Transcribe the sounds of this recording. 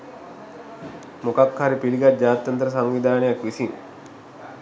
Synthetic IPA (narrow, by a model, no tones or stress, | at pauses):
mokakhaɾipiliɡat̪̚d͡ʒaːt̪jant̪ɾəsaŋʋid̪aːnəjakʋisiŋ